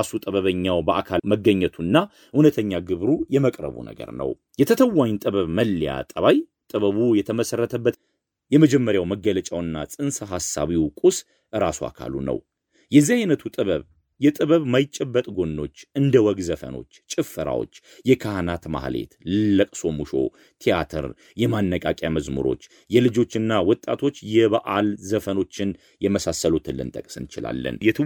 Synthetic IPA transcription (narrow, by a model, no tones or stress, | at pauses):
asut̪ʼɨβəβəɲːawbəʔakʰaməɡːəɲːɛt̪ʰunːa | hunət̪ʰəɲːaɡɨβɾujɛməkʼɾə̰βṵnə̰ɡə̰ɾnə̰w | jɛt̪ʰət̪ʰəwːaɲnt̪ʼɨβəβməlːija̰t̪ʼəβaj | t̪ʼɨβəβujɛt̪ʰəməsərːət̪ʰəbːət̪ | jɛməd͡ʒɛmːəɾjawməɡːələt͡ʃʼawɨnːa̰sʼɨnsaɦasːa̰βiwkʼus | ɨɾasua̰kʰa̰lṵnə̰w | jɛzːiajnət̪ʰut̪ʼɨβəβ | jɛt̪ʼɨβəβmajɪt͡ʃʼːɛbːət̪ʼɡo̞nːo̞t͡ʃːɨnd̪əwɔɡzəfə̰no̞̰t͡ʃːt͡ʃʼːɪfːɨɾa̰wo̰t͡ʃː | jɛkʰahanat̪ma̰hle̞̰t̪lɨlːəkʼso̞muʃo̞̰ | t̪ʰija̰t̪ʰə̰ɾ | jɛmanːəkʼakʼjaməzmṵɾo̞̰t͡ʃː | jɛlɨd͡ʒo̞t͡ʃːɨnːawɔt̪ʼa̰t̪ʰo̞t͡ʃːjɛβaʔalzəfəno̞t͡ʃːɪn | jɛməsasːəlut̪ʰɨlːɨ̰nt̪ʼəkʼsɨnt͡ʃɪla̰lːə̰njɛt̪ʰ